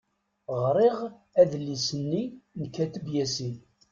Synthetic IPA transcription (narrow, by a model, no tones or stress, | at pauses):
ʁɾˤeʁ | æðəlːisənːinəkːæt̪əbjæsin